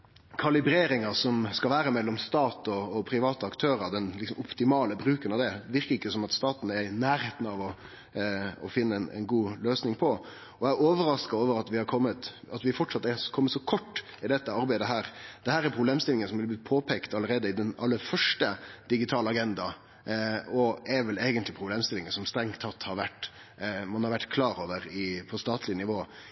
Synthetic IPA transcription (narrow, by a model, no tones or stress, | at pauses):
kʰɑlɪbɾeːɾɪŋɑsɔmskɑlʋæːɾəmɛlːɔmst̪ɑːt̪ɔːpʰɾɪʋɑːt̪əɑkt̪ʰøːɾɑd̪ɛnlɪksɔmɔpt̪ɪmɑːləbɾʉːkənɑʋd̪ɛʋɪɾkəɾɪkːəsɔmɑt̪st̪ɑːt̪n̩ɛɾɪnæːɾeːt̪nɑʋɔ | ɔfɪnːənɛ̰ɪnɡuːløːsnɪŋpʰɔ | ɔæoːʋəɾɑskɑoːʋəɾɑt̪ʋɪhɑɾkʰɔmːət̪ɑt̪ʋɪfɔʈːʂɑt̪ːɛkʰɔmːət̪sɔkʰɔʈː | ɪd̪ɛt̪ːəɑɾbæɪd̪əɦæːɾd̪ɛhæːɾɛɾpʰɾʊbleːmst̪ɪlɪŋənsɔmblɪblɪpʰoːpʰeːkt̪ɑlːəɾeːd̪əɪd̪ɛnɑ̰lːəɾfœʂʈəd̪̥ɪɡɪt̪ʰɑːləɑɡɛnd̪ɑ | ɔɛɾʋɛleːɡənt̪lɪpʰɾʊbleːmst̪ɪlɪŋənsɔmst̪ɾɛŋt̪ʰːɑt̪ːhɑɾʋæʈː | mɑnhɑɾʋæʈːkʰlɑːɾoːʋəɾɪpʰɔst̪ɑːt̪ʰlɪnɪʋoː